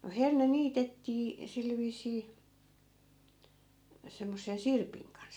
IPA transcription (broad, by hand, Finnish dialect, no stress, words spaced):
no herne niːtetːiː sil ʋiːsˑiː semːosːen̞ sirpiŋ kɑns